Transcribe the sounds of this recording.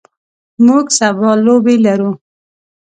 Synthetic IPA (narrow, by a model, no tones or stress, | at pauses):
muɡsabɑlːobelaɾu